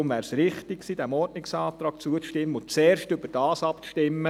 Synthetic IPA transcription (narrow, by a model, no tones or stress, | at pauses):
ʊmʋæːɾsɾɪχtɪksiːd̥̪æmɔɾdnɪksɑːt̪ɾɑːkt͡suəʃtɪmːəʊt͡sɛːɾʃtʏbəɾd̥ɑːsɑpʃtɪmːə